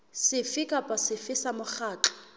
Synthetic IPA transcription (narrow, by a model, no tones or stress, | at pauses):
sɪfikʼapʼasɪfɪsamʊχaːt͡ɬɔ̥